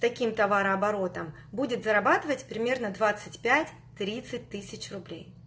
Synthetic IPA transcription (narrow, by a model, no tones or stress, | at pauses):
t̪ɐkʲimt̪ɐvaɾəɐbɐɾo̞t̪əm | budʲɪt̪zəɾɐbat̪ɨvətʲpɾʲɪmʲe̞rnəd̪vat̪sɨtʲpʲætʲ | t̪ɾʲit̪sɨt̚ʲt̪ɨsʲɪt͡ɕrʊblʲḛj